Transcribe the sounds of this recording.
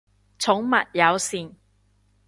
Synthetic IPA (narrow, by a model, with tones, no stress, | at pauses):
t͡sʰʊ˨˥ŋmɐ˨t̚jɐ˨˧wsiː˨n